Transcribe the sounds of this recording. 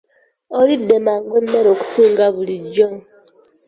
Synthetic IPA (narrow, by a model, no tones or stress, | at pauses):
ɔɾidemaɡenːeɾoku̥suŋɡaβulid͡ʒɔŋ